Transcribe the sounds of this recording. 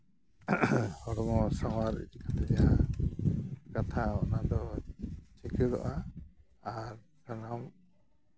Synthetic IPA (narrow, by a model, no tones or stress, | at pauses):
hɔɽɔmɔsawaɾḭt̪ikʰat̪ɛd͡ʒaɦa | kat̪ʰaɔnad̪ɔ | t͡ʃɛkʰɛdɔ̰ʔaː | ɾ | kanam